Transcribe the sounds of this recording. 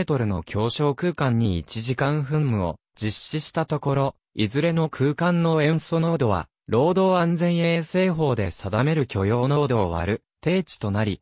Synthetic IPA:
et̪o̞ɾɯ̟no̞̰kʲʰo̞ːɕo̞ːkɯ̟ːkãɲ̟ːiit͡ɕiʑikãɰ̃ɸɯ̟̃mːɯ̟o̞̰ | d͡ʑiɕːiɕi̥t̪at̪o̞ko̞ɾo̞ | izɨɾe̞no̞kʰɯ̟ːkãnːo̞ẽ̞ɰ̃sono̞d̪oβa̰ | ɾo̞ːd̪o̞ːãnd͡zẽ̞ɰ̃eːse̞ːɦo̞ːd̪e̞sad̪ame̞ɾɯ̟kʲo̞jo̞ːno̞ːd̪o̞ːβa̰ɾɯ̟ | t̪e̞ːt͡ɕi̥t̪o̞naɾʲi

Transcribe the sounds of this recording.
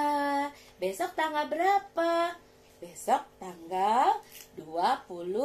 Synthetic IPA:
besɔk̚t̪aŋɡalbəɾapa | besɔk̚t̪aŋɡalduapulʊ

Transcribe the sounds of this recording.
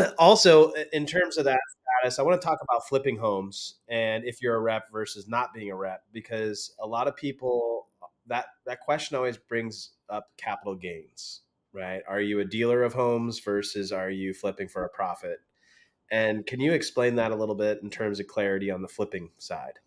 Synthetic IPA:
ɔlˠsoʊɪ̃ntʰɜ̃˞mzʌvðɨtstæɾɨsaɪwɑ̃ñətʰɔkəbaʊtflɪpɪ̃ŋɦõʊ̃mz̥ɨ̃nɨfjə˞əɹɛp̚v̥ɜ˞sɨznət̚b̥iɪ̃ŋəɹɛp̚b̥ɨkʰʌz̥əlɑɾʌv̥pʰipl̩ˠ | ðət̪̚ðɨt̚kʰw̥ɛst͡ʃɨ̃n̩ɔlˠwizbɹɪ̃ŋz | ʌpkʰæpəɾl̩ˠɡẽɪ̃nz̥ | ɹaɪt̚ə˞jɨɨdilˠə˞ʌv̥ɦõʊ̃mzvɜ˞sɨzə˞jɨflɪpɪ̃ŋfə˞ɨpʰɹ̥ɑfɨt̚ | ʔɨ̃nkʰɨ̃njɨɨksplẽɪ̃nðɨɾəlɪɾl̩ˠbɪɾ̃n̩tʰɜ̃˞mzʌv̥kʰl̥ɛɹɨɾiə̃nðəflɪpɪ̃ŋsa̰ɪd̥

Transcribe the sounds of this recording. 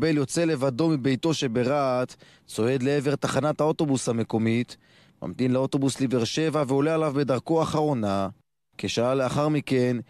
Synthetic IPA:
beljo̞t͡se̞le̞vad̪o̞mibe̞jt̪o̞ʃe̞be̞ʁat̪ | t͡so̞e̞d̪le̞eve̞ʁt̪aχanat̪hao̞t̪o̞bushame̞ko̞mit̪ | ma̰mt̪imleot̪o̞busliveʁʃe̞vaveo̞lealavbe̞d̪aʁko̞aχaʁo̞na | keʃaaleaχaʁmike̞n

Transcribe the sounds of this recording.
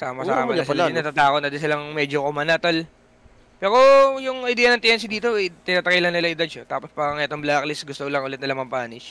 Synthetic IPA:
saːmɐa̰mɐsɐlaɪnɐt̪at̪aːkot̪nɐd̪ɪs̬ɪlɐŋmɛːd͡ʒokʊmɐnat̪ɐl | pɛːɾo̞jʊŋɐjd̪ɛːjɐnɐŋt̪ɪʔɛnsɪd̪iːt̪oʔɛjt̪ɪnaːt̪ɐkajlɐŋnɪlɐʔɪd̪ad̪̚ʃɐt̪aːpospaːɾɐŋʔɛt̪oŋblaːklɪsɡʊst̪olɐŋʔolɛt̪nɐlɐmɐmpaːnɪʃ

